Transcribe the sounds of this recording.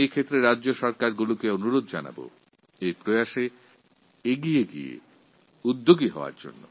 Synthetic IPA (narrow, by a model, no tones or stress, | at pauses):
ejkʰet̪ːɾeɾadːʑoʃɔɾkaɾɡulukeonuɾod̪̚ʱd͡ʑana̰bo̰ | ejpɾojaʃe | eɡijeɡiḛ | ud̪ːoɡiɦɔ̰oa̰ɾd͡ʑo̰nːo̰